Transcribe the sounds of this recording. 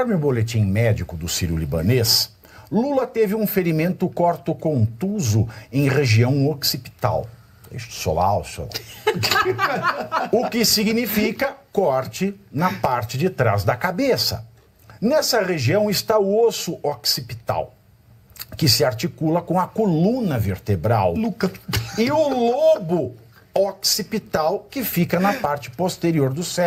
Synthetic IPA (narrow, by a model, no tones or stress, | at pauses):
ɔɾmɪʊbolet͡ʃĩmɛd͡ʒikʊd̪ʊsiɾjʊlḭbɐ̰̃nes | lulɐt̪evɪũfeɾimẽnt̪ʊkɔɾt̪ʊkõnt̪uzʊẽj̃ʁeʒiɐ̃w̃oksipi̥t̪a̰w | ḛʃso̰la̰a̰wso̰la̰ | ʊkɪsiɡnifikɐkɔɾt͡ʃɪnɐpaɾt͡ʃɪd͡ʒɪt̪ɾa̰zd̪ɐkabesɐ̰ | nɛsɐʁeʒiɐ̃w̃ɪst̪aʊosʊʔoksipit̪a̰w | kɪsɪaɾt͡ʃikulɐkõɐkolũnɐveɾt̪ebɾa̰wlukɐɪʊlobʊ | oksipit̪awkɪfikɐnɐpaɾt͡ʃɪ̥post̪eɾioɾd̪ʊsɛ